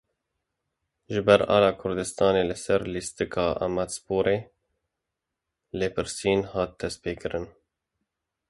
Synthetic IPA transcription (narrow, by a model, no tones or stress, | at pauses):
ʒɨbɛɾɑ̰ːlɑːkʰʊɾd̪ɨst̪ɑːneːlɨsɛɾlist̪ɨkʰɑːʔa̰mɛt̪spoːɾeː | lɨpʰɨɾsiːnhɑːt̪̚d̪̥ɛst̪̚peːkɨɾɨn